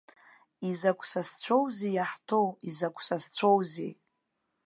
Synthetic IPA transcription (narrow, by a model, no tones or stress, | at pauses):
izakʷʰʼsast͡ɕʷʰowzijaħtʰowizakʷʰʼsast͡ɕʷʰowzḛ